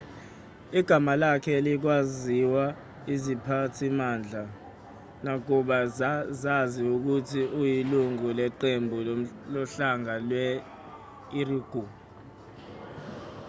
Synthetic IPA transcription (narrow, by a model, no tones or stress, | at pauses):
iɡ̥ʱamalakʰɛlik̬waziwa | izipʰatʰimand͡ɮʱa | nak̬uɓaazaziuk̬utʰiʔujiluŋulɛǃembʱu | lɔɬaŋalwɛ | iriɡ̥ʱu